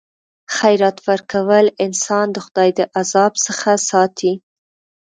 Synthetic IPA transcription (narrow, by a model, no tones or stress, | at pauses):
xajɾat̪wəɾkawəlɪnsɑnd̪əxʊd̪ɑjd̪əʔazɑbsəxasɑt̪ʰi